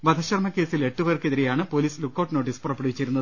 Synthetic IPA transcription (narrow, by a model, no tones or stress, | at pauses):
ʋɐd̪ʱɐɕɐrmɐkːe̞ːsile̞ʈːuʋɐrkeðiɾejaːɳɨpo̞ːliːslukːoʈːno̞ːʈːispurɐpːeɽɐʋit͡ɕːiɾunːɐðɨ